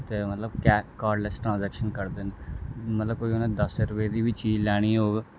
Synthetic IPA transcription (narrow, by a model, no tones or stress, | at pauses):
t̪eːmət̪ləbkɛkaːɖlɛsʈɾãːzɛːkʃənkəɾd̪enmət̪ləb̚koːionãːd̪əsɾʊpeːd̪iːbɪt͡ʃiːlɛːɽ̃iːoːɡ